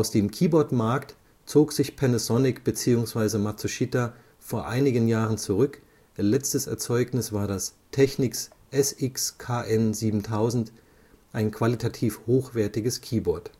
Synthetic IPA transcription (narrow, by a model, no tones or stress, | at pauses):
ʔaʊsd̥eːmkʰiːbɔɐtmaɐkt | t͡soːkz̥ɪçpʰɛnəsɔnɪkb̥ət͡siːʊŋsv̥aɪzəmat͡suʃita | foːɐʔaɪnɪɡənjaːʁənt͡suʁʏkː | lɛt͡stəsɛ̰ɐt͡sɔʏknɪsv̥aːɐɾas | tʰɛçnɪks | ʔɛsʔɪkskʰaːʔɛnziːbm̩tʰaʊzn̩t | ʔaɪnkʰv̥alitʰatʰiːfhoːxv̥ɛɐtɪɡəskʰiːbɔɐt